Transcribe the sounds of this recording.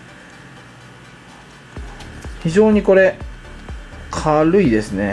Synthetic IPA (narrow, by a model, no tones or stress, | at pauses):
çiʑo̞ːɲ̟iko̞ɾe̞ | kʰaɾɯ̟id̪e̞sɨne̞